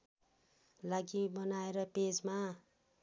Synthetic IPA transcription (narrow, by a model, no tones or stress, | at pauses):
laɡibʌnaeɾʌped͡zma